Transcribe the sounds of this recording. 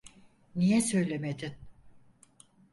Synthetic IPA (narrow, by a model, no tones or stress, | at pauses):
nijɛsø̞jlʲemed̪in